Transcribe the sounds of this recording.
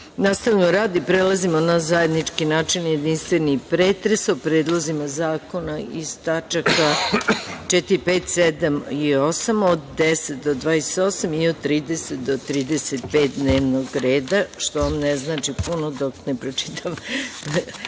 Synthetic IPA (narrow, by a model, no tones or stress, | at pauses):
nast̪aʋmoɾaːd̪ipɾelˠazimonazaje̞d̪nit͡ʃkinaːt͡ʃinje̞d̪inst̪ʋe̞nipɾeːt̪ɾesopɾe̞ːd̪lˠo̞zimazaːko̞naiz̥t̪at͡ʃaka | t͡ʃet̪iɾipeːt̪sed̪amio̞samod̪d̪eset̪̚d̪od̪ʋaːjeset̪o̞ːsamiod̪̚t̪ːɾiːd̪e̞set̪̚d̪ot̪ɾiːd̪eset̪̚peːt̪̚d̪ne̞ːʋno̞ɡɾe̞ːd̪aʃt̪oamneznaːt͡ʃipunod̪oknepɾot͡ʃi̥t̪am